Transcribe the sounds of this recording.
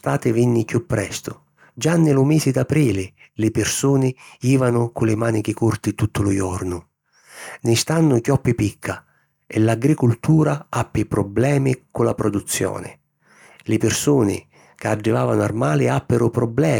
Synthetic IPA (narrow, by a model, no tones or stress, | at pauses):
st̪aːt̪ɪvinːɪkupːɾɛst̪ʊ | d͡ʒanːɪlʊmɛːsɪd̪apɾiːlɪ | lɪpɪrsuːnɪiːvanʊkʊlɪmaːnik̟ɪkurt̪it̪ut̪ʰːʊlʊjɔrnʊ | nɪst̪anːʊkjɔpːɪpikʰːa | ɪlaɡɾikʊlt̪uːɾaapːɪpɾɔblɛːmikʊlapɾɔd̪ut̪sːjɔ̰ːnɪ̰ | lɪpɪrsuːnɪ̰ | kɪaɖːivaːvanʊarmaːlɪapːɪɾʊpɾɔblɛː